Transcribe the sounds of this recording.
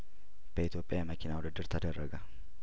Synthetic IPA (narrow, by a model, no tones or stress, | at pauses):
b̥ɐɪt̪joːpʼɪjaːmɐkɪnaːwɔd̪ɐd̪ːɪɾt̪ʰɐd̪ɐrːɐɡɐ